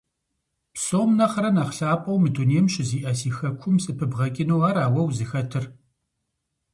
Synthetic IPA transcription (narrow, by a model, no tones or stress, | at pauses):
psʼoːmnɐχɐɾɐnaːχɬaːpʼɐwmɨdʰuneːmɕʼɪziːʔɐsiːxɐkʷʰʊmsʼɨpʰɨbʁɐkʲʼɪnuwaːraːwɐwzɨxɐtʰɨr